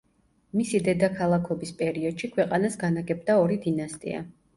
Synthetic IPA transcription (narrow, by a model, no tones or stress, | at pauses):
misid̪ɛd̪akʰalˠakʰɔbispʼɛɾiɔd̪̥ʃikʰwɛqʼanasɡanaɡɛb̚d̪aɔɾid̪inast̪ʼḭa̰